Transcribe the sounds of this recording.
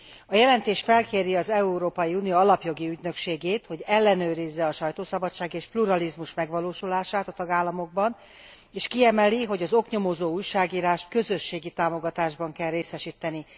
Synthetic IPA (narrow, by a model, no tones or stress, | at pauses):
ɒjɛlɛnt̪eːʃfɛlkeːɾiɒzɛuɾoːpɒjiuːnijoːɒlɒpjo̞ɡiyɟnø̞kʃeːɡeːt̪ho̞ɟɛlːɛnøːɾizːɛɒʃɒjt̪oːsɒbɒt͡ʃːʃaːɡeːʃpluɾɒlizmuʃmɛɡʋɒloːʃulaːʃaːt̪ɒt̪ɒɡaːlːɒmo̞ɡ̚bɒn | eːʃkiɛmɛliɦo̞ɟɒzo̞kɲo̞mozoːuːjʃaːɡiːɾaːʃt̪kø̞zø̞ʃːeːɡit̪aːmoɡɒt̪aːʒbɒŋkɛlreːsɛʃiːt̪ːɛni